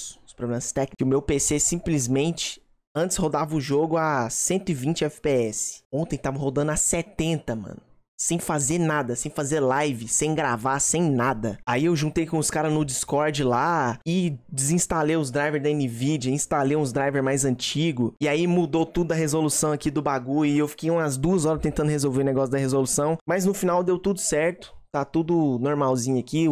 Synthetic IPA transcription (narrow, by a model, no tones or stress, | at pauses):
sʊspɾoblẽmɐst̪ɛkkɪʊmewpesesĩplizmẽnt͡ʃɪ̥ | ɐ̃nt͡ʃ̪ɪ̥shod̪avɐʊʒoɡʊasẽnt̪ʊɪvĩt͡ʃɪɛfɪ̥peɛsɪ̥õnt̪ẽj̃t̪avɐ̃hod̪ɐ̃nʊaset̪ẽnt̪ɐmɐ̰̃nʊ | sẽj̃fazeɾnad̪ɐsẽj̃fazeɾlajvɪsẽj̃ɡɾavasẽj̃nad̪ɐaiewʒũnt̪ejkõʊskaɾɐnʊd͡ʒiskɔɾd͡ʒɪlaɪd͡ʒɪzĩst̪alejʊzd̪ɾajveɾzɐẽnivid͡ʒiɐĩst̪alejũzd̪ɾajveɾmajzɐ̃t͡ʃiɡʊɪaimud̪owt̪ud̪ʊd̪ɐɦezolusɐ̃w̃akid̪ʊbaɡuɪewfi̥kejũmɐzd̪uɐzɔɾɐst̪ẽnt̪ɐ̃nd̪ʊhezowveɾʊneɡɔsʊd̪ɐɦezolusɐ̃w̃mɐznʊfinawd̪ewt̪ud̪ʊsɛɾt̪ʊ̥t̪at̪ud̪ʊnoɾmawzĩɲʊaki